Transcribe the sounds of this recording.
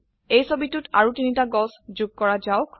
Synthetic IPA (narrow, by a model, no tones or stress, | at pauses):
ejsobitutʰaɹutinitaɡɔsd͡ʒuɡ̚kɔɹazaʊk